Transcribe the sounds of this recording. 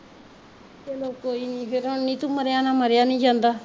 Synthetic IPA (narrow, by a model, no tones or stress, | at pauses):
eːloːkːoːiːnĩːpʰɪɾə̃nĩːt̪ũːməɾjaːnãːməɾjaːnĩːd͡ʒãːnd̪aː